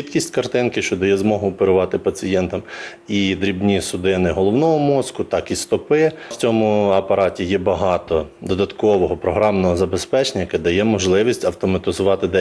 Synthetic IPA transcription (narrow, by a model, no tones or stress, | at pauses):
it̪kʲisʲtʲkɐrt̪ɪnkɪʃt͡ʃɔd̪ɔjɛzmɔɦʊːpeɾʊʋɑt̪ɪpɐt͡sʲijɛnt̪ɐm | id̪ɾʲibnʲisʊd̪ɪnɪɦɔlˠɔwnɔɦɔmɔskʊt̪ɑkist̪ɔpɪwt͡sʲɔmʊɐpɐɾɑtʲijɛbɐɦɑt̪ɔd̪ɔd̪ɐt̪kɔʋɔɦɔpɾɔɦɾɑmnɔɦɔzɐbespɛt͡ʃenʲɐjɐkɛd̪ɐjɛmɔʒlˠɪʋʲisʲtʲɐwt̪ɔmɐt̪ɪzʊʋɑt̪ɪd̪ɛ